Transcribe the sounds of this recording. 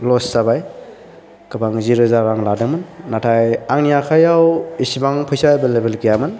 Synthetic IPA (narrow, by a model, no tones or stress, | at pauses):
lɔsːabaj | kɯbaŋziɾuzaɾaŋladɯŋmɯnːatʰajaŋnijakʰajawisibaŋpʰɯjsabelebelkijamɯn